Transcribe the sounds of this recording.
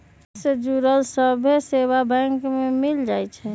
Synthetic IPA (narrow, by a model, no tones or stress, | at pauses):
sed͡ʒuɾəlsəbʱesebabɛ̃ŋkmemild͡ʒajt͡ʃʰɛ